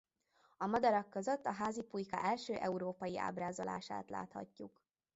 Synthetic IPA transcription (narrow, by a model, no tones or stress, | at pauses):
ɒmɒd̪ɒɾɒkːøzøt̪ːɒɦaːzipujkɒ̰ʔɛlʃøːʔɛuɾoːpɒjiʔa̰ːbraːzola̰ːʃa̰ːt̪la̰ːt̪hɒ̰cːuk